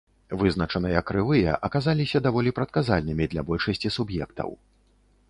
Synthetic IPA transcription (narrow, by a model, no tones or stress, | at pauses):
vɨzn̪ɐt͡ʂɐnɨjɐkːɾɨvɨjɛ̰ʔɐkazalʲisʲɐd̪avɔlʲipɾɐt̪̚kazalʲnɨmʲid̪lʲabɔlʲʂɐsʲt͡sʲisubjɛkt̪ɐ̰w